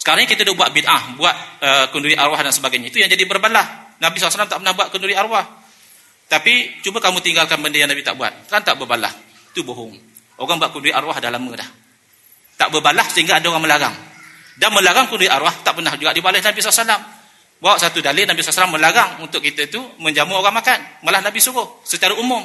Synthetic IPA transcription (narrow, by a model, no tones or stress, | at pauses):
sə̥kaɾaŋɲakit̪ədʊʔbuat̪̚bidʔahbuat̪̚əkunduɾiʔaɾwahdansəbaɡajɲait̪ujaŋd͡ʒadibərbalahnabisalasalamt̪aʔpənahbuat̪̚kunduɾiaɾwah | t̪apit͡ʃubəkamũt̪iŋɡalkanbəndəjaŋnabit̪a̰ʔbua̰t̪̚ant̪aʔbərbala̰h | it̪uboɦʊŋ | ʔoɣaŋbuat̪̚kunduɾiʔaɾwahdalamədah | t̪a̰ʔbəbalahsəɦiŋɡaːdaoɣaŋməlaɣa̰ŋ | danməlaɡaŋkunduɾiʔaɾwaht̪aʔpərnahd͡ʒuɡaʔdibalɪhnabisalasalam | baaʔsat̪udalenabisalasalamːəlaɣaŋunt̪ʊk̚it̪ət̪uməɲd͡ʒamuoɣaŋmakanmalahnabisuɣʊhsət͡ʃaɾaumʊm